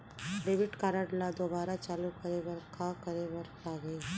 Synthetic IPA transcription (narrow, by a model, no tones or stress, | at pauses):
ɖeːʋɪʈkaːɾaɖlad̪oːbaːɾat͡ʃaːlukɐɾeʋɐɾkakɐɾeʋɐɾaːɡɐe